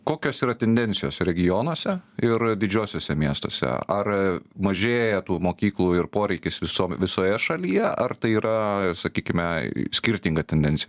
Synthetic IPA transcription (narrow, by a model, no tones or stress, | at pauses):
koːkʲoːsiːɾɐt̪ʲɛnʲd̪ʲɛnʲt͡ssʲɪjoːsɾʲɛɡʲɪjoːnoːsʲɛɪrd̪ʲɪd͡ʒʲoːsʲoːsʲɛmʲiɛst̪oːsʲɛ̰ɐrmɐʒʲeːjɛt̪uːmoːkʲiːklˠuːɪrpoːɾʲɛɪkʲɪsʋʲɪsoːmʋʲɪsoːjɛʃɐlʲijɛɐrt̪ɐɪiːɾɐsɐkʲiːkʲɪmʲɛsʲkʲɪɾʲt̪ʲiŋɡɐt̪ʲɛnʲd̪ʲɛnʲt͡ssʲɪj